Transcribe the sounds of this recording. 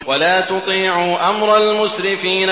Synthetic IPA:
walaːt̪ʊt̪ˤiːʕʊʔamɾˤɑlmʊsɾɪfiːn

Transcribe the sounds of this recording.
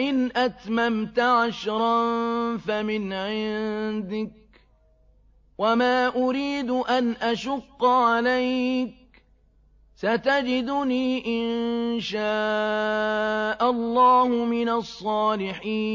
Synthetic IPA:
ʔɪnʔat̪mamt̪ʊʕaʃɾˤɑnfamɪnʕɪnd̪ɪk̚ | wamaːʔʊɾiːd̪ʊʔanʔaʃʊqːʕalajk̚ | sat̪ad͡ʒɪd̪ʊniːʔɪnʃaː | ʔalˤːɑːhʊmɪnasˤːɑːlɪħiː

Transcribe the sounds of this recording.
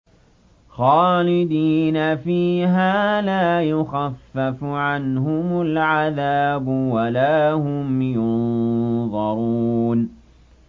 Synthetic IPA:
xɑːlɪd̪iːnafiːɦaːlaːjʊxafːafʕanɦʊmʊlʕaðaːbʊwalaːhʊmjʊnðˤɑɾˤuːn

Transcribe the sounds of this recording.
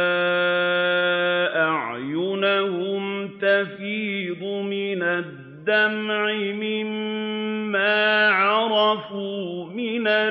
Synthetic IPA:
ʔaʕjʊnahʊmt̪afiːd̪ʊmɪnad̪ːamʕɪmɪmː | aːʕɑɾˤɑfuːmɪna

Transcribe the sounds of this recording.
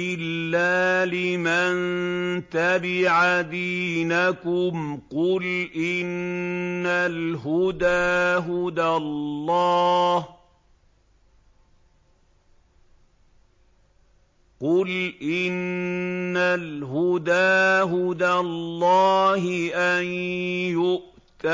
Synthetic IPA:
ɪlːaːlɪmant̪abɪʕad̪iːnakʊmqʊlʔɪnː | alɦʊd̪aːɦʊd̪alːɑːh | qʊlʔɪnː | alɦʊd̪aːɦʊd̪alːɑːhɪʔanjʊʔ | t̪a

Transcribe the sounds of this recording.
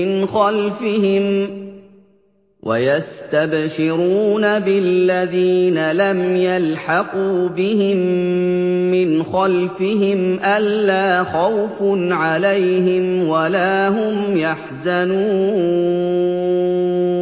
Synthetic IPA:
ɪnxalfɪhɪm | wʔa̰jast̪abʃɪɾuːnabɪlːaðiːnalamjalħɑquːbɪhɪmː | ɪnxalfɪɦɪmʔalːaːxawfnʕalajɦɪmwalaːɦʊmjaħzanuː

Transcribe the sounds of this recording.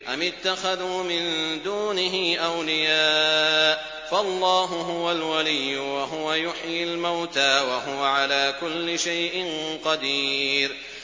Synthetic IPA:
ʔamɪt̪ːaxaðuːmɪnd̪uːnɪɦɪʔawlɪjaːʔ | faʔɑlˤːɑːɦʊɦʊwalwalijːʊwaɦʊwajʊħjɪlmawt̪aːwaɦʊwaʕalaːkʊlːɪʃajʔɪnqɑd̪iːɾ

